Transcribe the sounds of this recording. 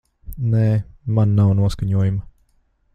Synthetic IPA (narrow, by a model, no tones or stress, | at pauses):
nɛːmanːawnuɔskaɲuɔjumɐ